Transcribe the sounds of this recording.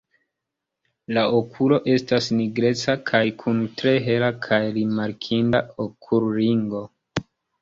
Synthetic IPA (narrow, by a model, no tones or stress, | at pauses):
laʔokʰulo̞ʔe̞stasniɡɾe̞t͡sakʰajkʰuntɾe̞ɦe̞lakʰajɾimaɾkʰindaokʰulɾiŋɡo̞